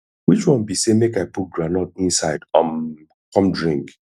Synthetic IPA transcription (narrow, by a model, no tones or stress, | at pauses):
wit͡ʃwɔ̃nbisemekaɪput̚ɡɹanɔt̚ĩnsaɪdãm | kɔ̃mdɹĩŋk